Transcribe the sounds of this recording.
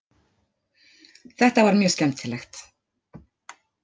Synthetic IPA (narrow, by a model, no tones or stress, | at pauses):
θɛht̪avaɾmjœːscɛmt̪ʰɪlɛxt̪